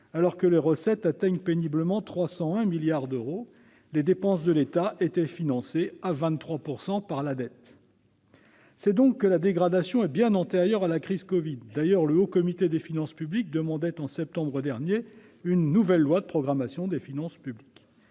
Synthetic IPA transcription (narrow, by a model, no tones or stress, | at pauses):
alɔʁkəleʁəsɛt̪at̪ɛɲpenibləmɑ̃t̪χwasɑ̃ɛ̃miljaʁd̪øʁo | led̪epɑ̃s̬d̪əlet̪aʔet̪ɛfinɑ̃seavɛ̃t̪t̪ːχwapuʁsɑ̃paʁlad̪ɛt̪ | sɛd̪ɔ̃kːəlad̪eɡʁad̪asjɔ̃ɛbjɛ̃nɑ̃t̪eʁjœʁalakχizkɔvid̪ːajœʁləokɔmit̪ed̪efinɑ̃spyblik̚d̪əmɑ̃d̪ɛt̪ɑ̃sɛp̚t̪ɑ̃bʁəd̪ɛʁnje | ynːuvɛlːwad̪əpχɔɡʁamasjɔ̃d̪efinɑ̃spyblik